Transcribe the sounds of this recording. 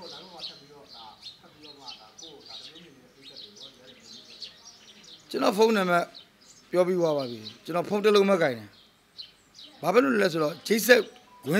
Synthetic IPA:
oaɡoatʰɛpːiɾɔd̪atʰɛpːiɾɔma̰d̪akokaəẽɛt̪ot̪ɛt̪eai | t͡ɕənɔpʰõʊ̃nɛ̃mɛ | pjɔpiwaβaðit͡ɕənɔpʰõʊ̃təlõmɛkãɪ̃ndɛ̃ | bapɛloɛs̬oɾɔd͡ʑeɪʔs̬ɛʔ | ɡwɪ̃

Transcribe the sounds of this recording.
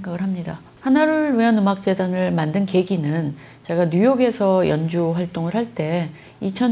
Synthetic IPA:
eŋɡaɡɯɭɦamɲida | hanaɾuɭiʌnɯmak̚t͡ɕ͈e̞danɯɭmandɯnke̞ɡinɯn | t͡ɕe̞ɡanɲujoɡe̞sʰʌjʌnd͡ʑuɸwaɭt͈oŋɯɭhaɭt͈e̞ | it͡ɕʰʌ

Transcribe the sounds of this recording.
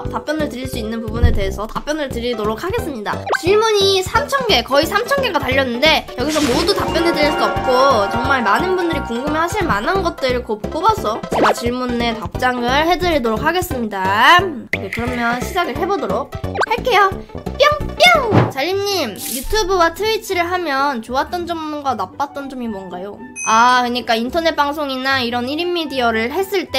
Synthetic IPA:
tap͈jʌnɯɭtɯɾiɭs͈uinːɯnpubune̞te̞ɦe̞sʰʌtap͈jʌnɯɭtɯɾidoɾok̚ʰaɡe̞s͈ɯmɲida̰t͡ɕiɭmuɲisʰamt͡ɕʰʌnɡe̞kʌisʰamt͡ɕʰʌnɡe̞ɡataʎːʌnːɯnde̞jʌɡis̬ʰʌmodutap͈jʌnedɯɾiɭs͈uʌp̚k͈ot͡ɕʌŋmaɭmanɯnbundɯɾikuŋɡɯmehaɕʰiɭmanɦanɡʌt̚t͈ɯɾɯɭkopk͈obas͈ʌjot͡ɕe̞ɡat͡ɕiɭmunːe̞tap̚t͡ɕ͈aŋɯɭhe̞dɯɾidoɾok̚ʰaɡe̞s͈ɯmɲida | ekɯɾʌmjʌnɕʰid͡ʑaɡɯɭɦe̞bodoɾok̚haɭk͈e̞jop͈jʌŋp͈jʌŋt͡ɕaʎːiɲːimjutʰubɯwatʰɯit͡ɕʰiɾɯɭɦamjʌnt͡ɕoat̚t͈ʌnd͡ʑʌmɡanap͈at̚t͈ʌnd͡ʑʌmimwʌnɡajo | akɯɲik͈aintʰʌne̞t̚p͈aŋsʰoŋinaiɾʌniɾimːidiʌɾɯɭɦe̞s͈ɯɭt͈e̞

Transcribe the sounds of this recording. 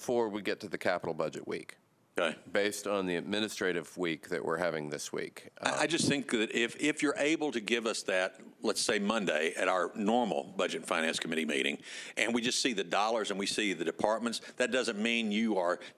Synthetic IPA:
fɔɹwiɡɛtɨðɨkʰæpəɾl̩ˠbʌd͡ʒɨ̰ʔwḭk | eɪb̥eɪstn̩ðiɨd̚mɪnɨstɹ̥eɪɾɨvwik̚ðɨ̰ʔwɪ̰ɹhævɪ̃ŋðɪswḭkaʔʔaɪd͡ʒʌstθɪ̃ŋk̚ðɨɾʔɪfɪfjə˞ʔeɪbl̩ˠtʰɨɡɪvʌsðɨt̚ | lətseɪmʌ̃ndeɪʔɨɾaʊə˞nɔɹml̩ˠbʌd͡ʒɨtfãɪ̃næ̃nskʰəmɪɾimḭɾɪ̰̃ŋʔɨ̃nwid͡ʒʌstsiðɨdɔlˠə˞zɨ̃nwisiðɨdɨpʰɑɹt̚mɨ̃ntsðɨt̚d̥ʌzɨ̃nmĩnjɨə˞

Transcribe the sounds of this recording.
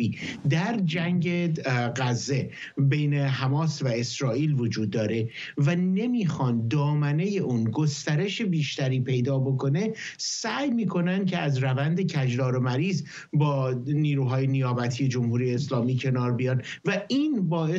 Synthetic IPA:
id̪æɾd͡ʒæŋɟeɢæzːe̞ | be̞jne̞ɦæmɒːsvæesɾɒːʔiːlvod͡ʒuːd̪ːɒːɾe̞ | væne̞miːxɒnd̪ɒːmæne̞je̞ʔuːnɡost̪æɾe̞ʃebiːʃt̪æɾiːpʰe̞jd̪ɒːbo̞kʰo̞ne̞sæjmiːkʰo̞nænd̪̚cʰeæzɾævænd̪e̞cʰæd͡ʒdɒːɾo̞mæɾiːz | bɒːniːɾuːɦɒːje̞nijɒːbæt̪ʰije̞d͡ʒo̞mhuːɾijeːslɒːmiːcʰe̞nɒːɾbijɒːnvæiːnbɒː

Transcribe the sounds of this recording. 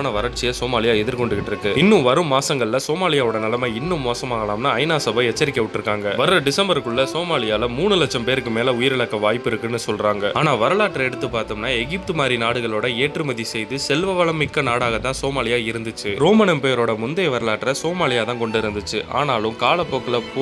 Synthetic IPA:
nɐʋɐɾɐʈt͡ʃɪjɐsoːmaːlɪjaːɛðɪɾkɔɳɖɯɣɪʈːɪɾɯkːɯɪnːɯʋɐɾɯmːaːsɐŋɡɐɭɪlɐsoːmaːlɪjaːʋɔɽɐnɪlɐmeːɪnːɯmːoːsɐmaːɣɐlaːmnaɐɪnaːsɐbɐɛt͡ʃːɐɾɪkʲːɐʋɪʈːɪɾɯkːaːŋɡɐʋɐɾɯɾɐɖɪsɐmbɐɾkːɯɭːɐsoːmaːlɪjaːlɐmuːɳɯlɐt͡ʃːɐmpeːɾɯkːɯmeːlɐʊjɪɾɛɭɐkːɐʋaːjpːɪɾɯkːɯnːɯsɔlɾaːŋɡɐaːnaːʋɐɾɐɭaːʈːɾɐɛɽɯt̪ːɯpːaːɾt̪ɐmnaːɛɣɪp̚t̪ɯmaːɾinaːɽɯɣɐɭoːɽɐeːʈrɯmɐðisɛjðɯsɛlʋɐʋɐɭɐmɪkːɐnaːɽaːɣɐt̪ːãːsoːmaːlɪjaːɪɾɯnd̪ɯt͡ʃːɯɾoːmɐnɐmpeːjɾoːɽɐmʊnd̪ɐjʋɐɾɐɭaːʈːɾɐsoːmaːlɪjaːt̪ãːkɔɳɖɯɪɾɯnd̪ɯt͡ʃːɯʔa̰ːnaːlɯmkaːɭɐpːoːkːɯlɐpː

